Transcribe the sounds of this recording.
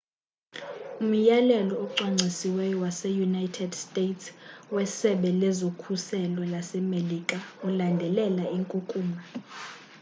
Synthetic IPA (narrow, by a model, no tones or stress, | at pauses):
um̩jalɛlɔɔǀaŋ͡ǀʱisiwɛjɔwasɛjunajtʰɛdstʼetʰswɛsɛɓɛlɛzokʰusɛlɔlasɛmelikʼaulandʱɛlɛlaiŋkʼukʼuːma